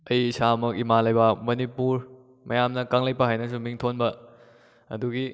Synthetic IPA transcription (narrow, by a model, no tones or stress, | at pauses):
ɐjisamɐkimalɐjbɐmɐnipuɾ | mɐjamnɐkaŋlɐjpɐɦajnɐsumiŋtʰonbɐ | ɐduɡi